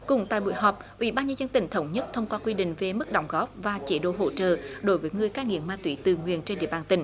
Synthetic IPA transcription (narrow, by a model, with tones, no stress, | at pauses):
kʊ̰˧˨˩ŋ͡mt̪a̰ː˧˨jɓṵ˧˨jɦɔː˨˩p̚ʔwḭ˧˩˦ɓaː˧nɲə˧nzə˧nt̪ï˧˩ŋ̟t̪ʰə˨˦wŋ͡mɲə˦˥t̚t̪ʰə˧wŋ͡mkwaː˧kwi˧ɗḭ˧˨ŋ̟ve˨˩mɨ˦˥k̚ɗɔ̰˧˦wŋ͡mɣɔ˦˥p̚vaː˨˩t͡ɕe˨˦ɗo̰˧˨ɦo̰˧˩t͡ɕə̰ː˧˨ɗo˨˦jvəː˨˦jŋɨ˨˩əjkaː˧ŋḭ˧˨əmmaː˧t̪wi˨˦t̪ɨ˨˩ŋwḭ˧˨ənt͡ɕe˧nɗḭ˧˨əɓaː˨˩nt̪ï˧˩ŋ̟